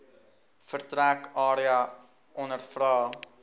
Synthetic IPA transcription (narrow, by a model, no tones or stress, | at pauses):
fərtɾækɑːɾiɐ | ʔɔnərfrɑː